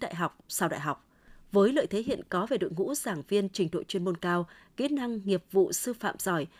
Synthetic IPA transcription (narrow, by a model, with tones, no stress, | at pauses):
ɗa̰ː˧˨jɦa˨˩wk͡p̚saː˧wɗa̰ː˧˨jɦa˨˩wk͡p̚ | vəː˨˦jlə̰ː˧˨jt̪ʰe˨˦ɦḭ˧˨ənkɔ˨˦ve˨˩ɗo̰˧˨ŋṵ˧˥z̥aː˧˩ŋvi˧ənt͡ɕï˧˩ŋ̟ɗo̰˧˨jt͡ɕwi˧ənmo˧nkaː˧wki˨˦t̚na˧ŋŋi˨˩əp̚vṵ˧˨sɨ˧fa̰ː˧˨mzɔ˧˩j